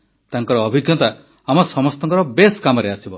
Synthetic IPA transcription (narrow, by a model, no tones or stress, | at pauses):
t̪aŋkɔɾɔːbʱiɡʱjɔt̪a | amɔsɔmɔst̪ɔŋkɔɾɔbeskamɔɾeasibɔ